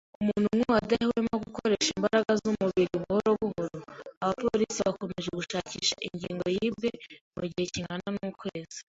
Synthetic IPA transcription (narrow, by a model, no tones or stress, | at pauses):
umuːnhumŋuwadahwemaɡuko̞ɾe̞ʃimbaɾaɡazumuβmiɾiβuhoɾoβuɦoɾoaβapoɾisiβako̞meʒe̞ɡuʃaːciːʃaʔiɲɟiːŋɡo̞jiːbɡe̞muɟihe̞ciŋɡananuːkwe̞ːzi̥